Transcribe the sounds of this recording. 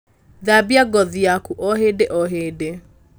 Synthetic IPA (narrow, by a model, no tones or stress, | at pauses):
ðabjaɡɔðiakuʔɔɦedeʔɔɦeːde